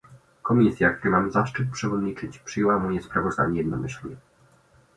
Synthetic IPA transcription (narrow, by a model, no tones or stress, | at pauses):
kɔmʲisʲjakt̪uɾɘmamzaʂt͡ʂɘt̪̚pʂɛvɔd̪ɲit͡ʂɘt͡ɕpʂɘjɛwamɔjɛspɾavɔzd̪a̰ɲɛjɛd̪nɔmɘɕlʲɲɛ